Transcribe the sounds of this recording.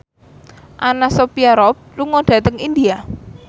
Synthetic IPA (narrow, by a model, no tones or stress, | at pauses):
ʔanasopiaɾɔp̚luŋoɖ̥ä̤t̪əŋind̪ia